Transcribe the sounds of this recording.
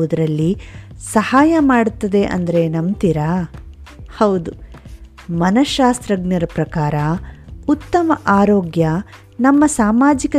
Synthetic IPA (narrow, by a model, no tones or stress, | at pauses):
ud̪ɐɾɐlːisɐhaːjɐmaːɽut̪ːɐd̪e̞ʔɐ̰nd̪ɐɾe̞nɐmt̪iɾa | hɐwd̪u | mɐnɐʃaːst̪ɾɐɡnɐɾɐpɾɐkaːɾɐut̪ːɐmɐʔaːɾoːɡjɐ | nɐmːɐsaːmaːd͡ʒikɐ